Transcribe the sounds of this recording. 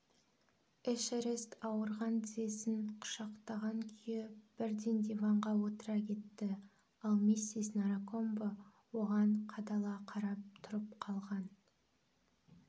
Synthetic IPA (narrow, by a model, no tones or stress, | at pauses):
eʃeɾest̪ɑwəɾʁɑnd̪ze̞sɪnqʰʊ̥ʃɑqt̪ɑʁɑŋkʲʰʏjeb̥ɪɾd̪end̪evɑɴʁɑwot̪əɾɑkʲʰe̞t̪ːɪ | ɑlˠmisisnaɾako̞mbo | wo̞ʁɑɴqʰɑd̪ɑlˠɑqʰɑɾɑp̚t̪ʰʊɾəp̚qʰɑlˠʁɑn